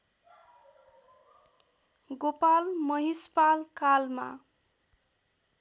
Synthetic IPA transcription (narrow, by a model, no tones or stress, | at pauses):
ɡopalmʌɦispalkalma̰